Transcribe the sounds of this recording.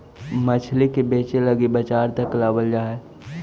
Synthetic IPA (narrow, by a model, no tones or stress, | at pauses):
mɐt͡ʃʰlekebeːt͡ʃelɐɡibɐt͡ʃaːɾt̪ɐklaːbəld͡ʒaːe